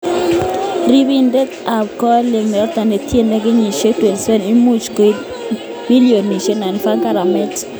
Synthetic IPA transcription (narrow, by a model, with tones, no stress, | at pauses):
ɾi˦bi˦ndɛ˦t̪a˨b̚kɔ˦le˨ŋnɛ˨˦t̪a˨ne˨tje˦nɛ˦ɡɪ˦ɲi˨ʃe˦twe˨nse˦ni˦mu˦t͡ʃko˨ | mi˦lijo˨nːi˨ʃe˦na˨nfa˦ŋka˦ɾa˨mɛ˦t͡ʃ